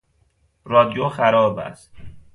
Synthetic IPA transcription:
ɾɒːd̪ijoxæɾɒːbæ̰st̪

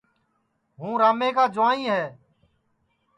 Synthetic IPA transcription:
ɦũːɾaːmeːkaːd͡ʒʊʋãːĩːɦɛː

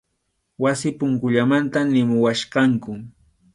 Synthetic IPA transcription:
wasɪpʊŋkʊʎamant̪anɪmʊwaʃɢɑŋkʊ

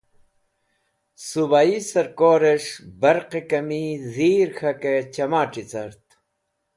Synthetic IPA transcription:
subaisɐɾkoːɾeʂbɐɾqekɐmiziːɾxɐket͡ɕɐmaːʈ͡ʂit͡sɐɾt̪

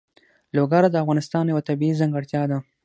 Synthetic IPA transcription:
loɡaɾad̪əafɣɑnɪst̪ɑnjawat̪abiizaŋɡaɽt̪ʲjɑd̪a

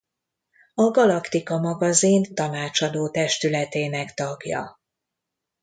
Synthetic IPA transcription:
ɒɡɒlɒkt̪ikɒmɒɡɒzint̪ɒnaːt͡ʃɒd̪oːt̪ɛʃt̪ylɛt̪eːnɛkt̪ɒɡjɒ̰

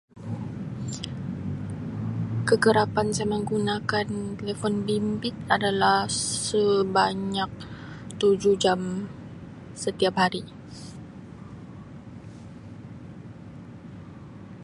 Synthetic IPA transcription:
kəɡəɾapansaməŋɡunakant̪elefɔnbimbɪt̪̚adalahsəbaɲak̚ | t̪ud͡ʒud͡ʒam | sət̪iapɦaɾi

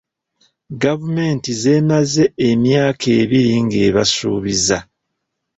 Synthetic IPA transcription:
ɡavume̞ːntize̞ːmaze̞ːmjaːkʰe̞ːβiɾiŋɡe̞ːβasṵːβiza

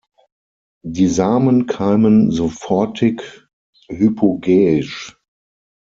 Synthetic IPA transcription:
diːzaːmənkʰaːmənzofɔɐtʰɪk | hypʰoɡɛːɪʃ

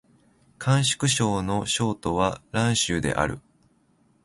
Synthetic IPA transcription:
kʰãɰ̃ɕi̥kɯ̟ɕo̞ːno̞ɕo̞ːt̪o̞βaɾãɰ̃ɕɨːd̪e̞̰ʔa̰ɾɯ̟̰

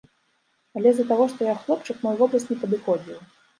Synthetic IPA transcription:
alʲɛzɐt̪aɣɔʂt̪ɔjaxlˠɔpt͡ʂɨkmɔjuvɔblˠɐsʲt̪nʲɛpɐd̪ɨxɔd͡zʲiw

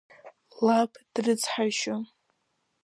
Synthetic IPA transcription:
lapʰd̥rɨt͡sʰħaʃo

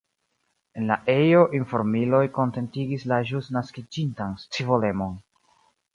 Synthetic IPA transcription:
e̞nlaʔe̞jo̞ʔinfo̞ɾmilo̞jko̞nte̞ntiɡislaʒusnaskid͡ʒintanst͡sivo̞le̞mo̞n

